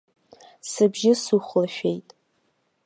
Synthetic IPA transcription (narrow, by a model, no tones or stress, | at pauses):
sɨbʒɪsuχʷlaʃᶣejtʼ